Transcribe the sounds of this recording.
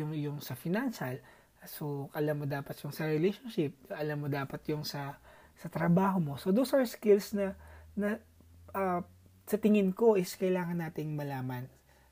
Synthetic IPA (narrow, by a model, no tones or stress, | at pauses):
ʊŋjʊŋsɐfɪnanʃɐl | soʔɐlɐmːod̪aːpɐt̪jʊŋsɐɾɛlejʃonʃɪp̚ʔɐlɐmːod̪aːpɐt̪jʊŋsɐ | sɐt̪ɾɐbaːɦo̞mo̞sod̪osaɹskɪlsnɐnɐ | ʔɐ | sɐt̪ɪŋɪnko̞ʔɪskɐjlaːŋɐnːaːt̪ɪŋmɐlaːmɐn